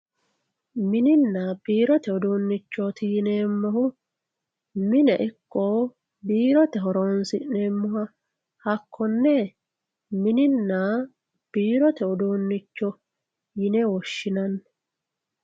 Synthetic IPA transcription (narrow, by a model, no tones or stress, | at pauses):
mɪnɪnːaːb̥iːɾɔt̪ɛɔd̪uːnːɪt͡ʃːɔt̪ʰiːneːmːɔhʊ | mɪnɛʔɪkːoː | biːɾɔt̪ɛɦɔɾoːnsɪʔneːmːɔhɐ | hɐkʰːɔnːɛ | mɪnɪnːa | b̥iːɾɔt̪ɛɔd̪uːnːɪt͡ʃːɔ | jɪnɛwɔʃːɪnɐnːɛ